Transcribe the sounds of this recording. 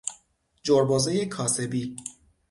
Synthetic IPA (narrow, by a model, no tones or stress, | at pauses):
d͡ʒoɾbɒːzejekʰɒːse̞biː